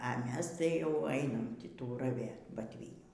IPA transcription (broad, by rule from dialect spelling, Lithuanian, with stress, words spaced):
ɐ ˈmʲɛs ˈtɐɪ jɛʊ ˈɐɪnɐm ˈtʲiː ˈtuː rɐˈʋʲeːt bɐtʲˈʋʲiːnʲuː